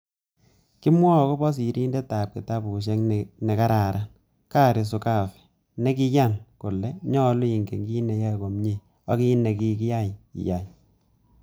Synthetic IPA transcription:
ki˦mwɔ˦˨kɔ˦bɔ˦s̬i˨ɾi˦nde˦ta˨p̚ki˨ta˦bu˨ʃ̬ɛ˦ŋnɛ˨ka˦ɾa˨ɾa˦n | ka˦˨ɾɪ˨s̬ʊ˨ka˦˨fɛ̥˨ | ne˦ki˦ja˦˨nko˨lɛ˦ɲɔ˦lʊ˦i˨ŋɡḛ˨ŋɡi˦ne˨ja˦˨ɡo˨mɲe˨ | ɔ˦ki˦ne˨ki˦ki˦ja˦˨jḭ˨ja˨j

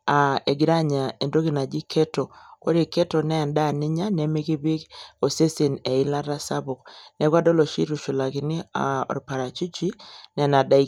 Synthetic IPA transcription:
a˨e˨ɡɪ˨ɾa˦ɲa˨e˨ndo˦ki˨na˨d͡ʒi˦kʰɛ˦to˨ko̰˦ɾi˦˨kɛ˦tɔ˨nɛ˦˨nda˦˨nɪ˦ɲa˦nɛ˦me˦ki˦bi˦ko˨se˦si˨nɛ˨ɪ˦la˦ɾa˦sa˦bʊ˨knɛ˦kɡwa˦dɔ˦lo˨ʃi˦ɾu˨ʃu˨la˨kɪ˨nɪ˦a˨ɔ̰˨ɾpa˨ɾa˨t͡ʃu˦t͡ʃi˦nɛ˨na˨da˦i˨˦

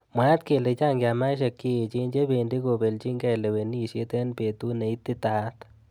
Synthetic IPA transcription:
mwa˦t̪̚ke˨le˨t͡ʃa˦˨ŋɡja˨ma˦ʃ̬e˨˧kːi˦˨t͡ʃi˦nd͡ʒe˦be˨ndi˦ɡo˨be˨lt͡ʃi˦ŋɡɛ˦˨le˨we˨ni˦˨ʃe˦t̪e˦nbe˨t̪u˦ne˨i˦t̪ːi˦t̪a˦t̪

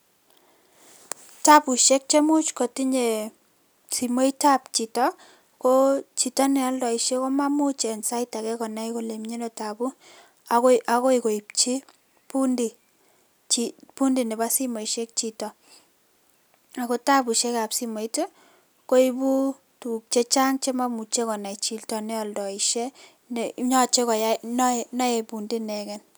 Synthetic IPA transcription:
ta˦pu˨ʃe˦k̚t͡ʃe˦mu˦t͡ʃko˨ti˦ɲe˨ | si˨mo˦ita˦pt͡ʃi˨tɔ | ko˦t͡ʃi˨tɔ˦nɛ˨a˦ldɔ˨iʃe˦ko˦ma˦mu˦t͡ʃe˨nsa˦ita˨kɛ˦kɔ˨na˦iko˨le˨mɲe˦nɔ˨ta˨bu˦ | aʔa˦ko˦i˨ko˨i˨p̚t͡ʃi˦ | pu˦ndi˨ | t͡ʃipu˦ndi˨ne˨ba˦si˦mɔ˨iʃe˦k̚t͡ʃi˨tɔ˨ | a˨ko˦ta˦bu˨ʃe˦ka˨psi˦mɔ˨i˦te˦ | ko˦i˦bu˦ | tu˨k̚t͡ʃe˦t͡ʃa˦ŋt͡ʃe˦ma˦mu˨t͡ʃe˦kɔ˨na˨it͡ʃi˨ltɔ˨nɛ˦ɔ˨ldɔ˨i˨ʃje˦ | ne˨ɲɔ˦t͡ʃe˦kɔ˨ja˦nɔ˦nɔ˦jɛ˨pu˨ndi˦nɛ˨kɛ˨n

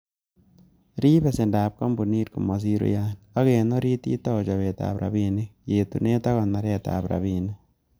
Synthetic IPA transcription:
ɾiː˦βe˨se˨ndaː˨p̚ka˦mbu˨ni˦ɾku˨ma˨s̬i˦ɾo̰˦jan | a˦ɣe˨no˦ɾi˦tḭ˦ta˦o˨t͡ʃa˨βe˨ta̰˨βɾa̰˨βine˦je˨tṵ˨ne˦ta˦ɣa˨na˨ɾe˦˨ta̰˨βɾa̰˨βiːne˦

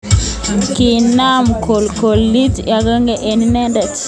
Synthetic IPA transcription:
kɪ˨na˦mko˨lko˨lːi˦tja˨ɡa˦ŋɡɛ˨ʔe˨ni˦nɛ˦ndɛ˨t

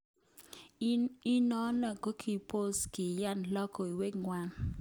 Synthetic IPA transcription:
i˦nɔ˦na˨ɡo˦kʰi˨po˦skɪ˨ja˦nlɔ˦kɔ˨i˨we˦ɡŋwa˦n

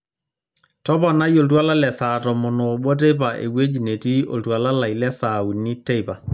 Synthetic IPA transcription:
tɔ˦pɔ˨na˦jo˨lt̬wa˦la˦lɛ˨saː˨tɔ˨mɔ˨nɔ˨ɓɔ˦t̬e˦pa˨ʔḛ˨we˦d͡ʒi˨ne˨ti˦o̰˨ltwa˨la˦la˨ilɛ˦sa˨u˨ni˦te˦jpa˨

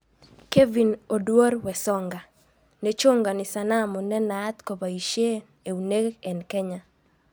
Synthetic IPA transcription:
ke˦vi˨no˨dwo˦ɾwɛ˨sɔ˦ŋɡa˨ | ne˦t͡ʃo˦ŋɡa˨nɪ˨sa˨na˦mɔ˨nɛ˦na˦t̪ko˨ba˨i˨ʃje˦ | e˨u˨ne˦kɛ˨nkɛ˦ɲa˦

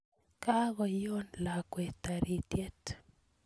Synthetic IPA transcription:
ka˦ɣɔ˨jo˦nla˨kwe˨t̪a˨ɾi˨tje˦t

